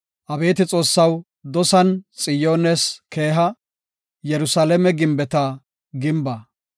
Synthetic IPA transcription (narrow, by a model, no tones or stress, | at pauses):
ʔɐbe̞ːt̪ɪt͡sʼo̞ːsːɐw | d̪ɔsɐnt͡sʼɪjo̞ːnɛske̞ːɦɐ | jɛɾʊsalɛmɛɡɪmbɛt̪ɐ | ɡɪmbɐ